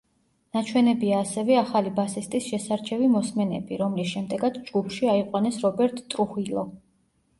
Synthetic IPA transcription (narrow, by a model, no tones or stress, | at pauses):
nat͡ʃʰwɛnɛbiaːsɛvɛaχalibasist̪ʼisʃɛsaɾt͡ʃʰɛvimɔsmɛnɛ̰biɾɔmlisʃɛmd̪ɛɡad̪sd͡ʒɡupʰʃiaiqʼwanɛsɾɔbɛɾt̪ʰʼt̪ʼɾuχilˠɔ